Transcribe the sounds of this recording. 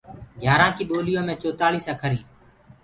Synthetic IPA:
ɡʱjaːɾãːkiːɓoːlɪjõːmẽːt͡ʃoːt̪aːliːsãːkʰəɾĩː

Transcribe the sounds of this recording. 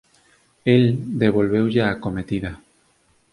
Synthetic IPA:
eld̪eβ̞o̞lβewʝaːkomet̪iða

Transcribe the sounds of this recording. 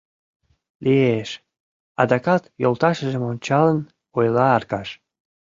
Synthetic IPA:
lieʃ | ɑ̰d̪ɑkɑt̪jolˠt̪ɑʃə̆ʒə̆monʲt͡ɕɑlən | ojlɑɑrkɑʃ

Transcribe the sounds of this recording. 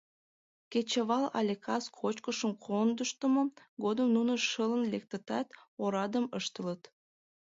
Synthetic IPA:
ket͡ɕəβɑlɑ̰lʲekʰɑskʰot͡ɕkəʃəmkʰond̪əʃt̪əmo | ɡod̪əmnunəʃələnlek̚t̪ət̪ɑt̪oɾɑd̪əməʃt̪ələt̪

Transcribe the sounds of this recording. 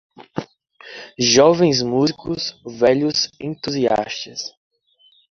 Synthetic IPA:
ʒɔvẽj̃zmuzikʊsvɛʎʊzẽt̪uzia̰st̪ɐs

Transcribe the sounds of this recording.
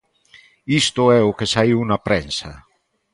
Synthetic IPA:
ist̪ʊɛʊkesaiwnapɾɛnsa

